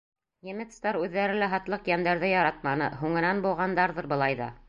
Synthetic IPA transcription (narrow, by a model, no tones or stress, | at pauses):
jɘ̆mɘ̆t̪st̪ɑɾʉðːæɾɘlæɦɑt̪lˠɤqjænd̪æɾðɘjɑɾɑt̪̚mɑnɤɦuŋɘ̆nænbulˠʁɑnd̪ɑɾðɤɾbɤ̆lˠɑjðɑ̰